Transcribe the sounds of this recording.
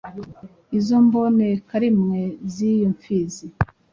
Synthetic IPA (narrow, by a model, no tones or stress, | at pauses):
izombo̞nekaɾimŋezijoɱfizi